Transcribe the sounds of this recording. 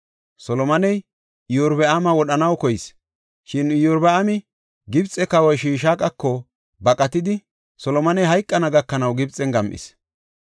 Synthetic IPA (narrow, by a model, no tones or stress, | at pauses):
sɔlɔmɐnɛj | ɪjɔɾbɛamɐwɔɗɐnɐwkɔjɪs | ʃɪnjɔɾbɛamɪ | ɡɪbt͡sʼːɛkɐwɔjʃiːʃaːkʼɐkːɔ | bɐkʼɐt̪ɪd̪ɪ | sɔlɔmɐnɛjɦɐjkʼːɐnɐɡɐkːɐnɐwɡɪbt͡sʼːɛnɡɐmʔɪ̰s